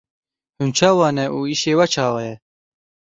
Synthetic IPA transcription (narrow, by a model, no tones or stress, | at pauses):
hunt͡ʃʰɑːwɑːnɛʔuːiʃeːwɛt͡ʃʰɑːwɛjɛ